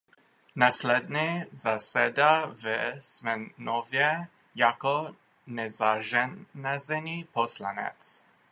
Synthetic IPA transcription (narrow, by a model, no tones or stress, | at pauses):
naslɛd̪nɛzasɛd̪avəsmɛnɔvjɛ | jakɔ | nɛzaʒɛnazɛnipɔsla̰nɛ̰t̪s